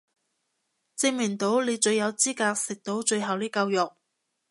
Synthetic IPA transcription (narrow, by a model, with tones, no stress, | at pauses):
t͡sɪ˧˥ŋmɪ˨˩ŋt̪o˨˥wle˨˧jt͡ʃɵ˧ɥjɐ˨˧wt͡siː˥kaː˧k̚sɪ˨k̚t̪o˨˥wt͡ʃɵ˧ɥɦɐ˨wliː˥kɐ˧wjʊ˨k̚